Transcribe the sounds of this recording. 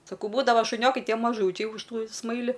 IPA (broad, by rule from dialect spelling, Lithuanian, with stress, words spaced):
sɐˈkɐʊ ˈbuːdɐʋɐ ʃʊˈnʲoːkɐɪ ˈtʲiɛ mɐˈʒuːt͡ʃʲɛɪ ʊʃ ˈtuː ˈsmɐɪlʲɪ